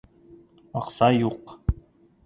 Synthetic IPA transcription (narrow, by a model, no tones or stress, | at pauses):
ɒqsɑjuq